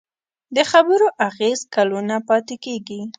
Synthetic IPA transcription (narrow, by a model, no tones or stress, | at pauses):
d̪əxabəɾoʔaɣezkalunapɑt̪ɪkeɡi